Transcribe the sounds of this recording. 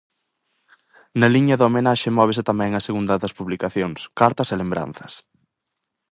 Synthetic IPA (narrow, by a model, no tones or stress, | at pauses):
nɐliɲɐðomenaʃemɔβ̞ɪsɪt̪amɛ̃ŋɐseɣund̪ɐðɐspuβlikaθjoŋskaɾt̪ɐselembɾa̰n̟θɐ̥s